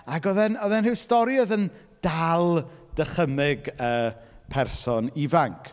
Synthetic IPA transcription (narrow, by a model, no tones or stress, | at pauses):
aɡɔðɛnɔðɛnrɨwstɔɾjɔðən | d̥alˠd̥əχəmɪɡəːpʰɛrsɔnivaŋkʰ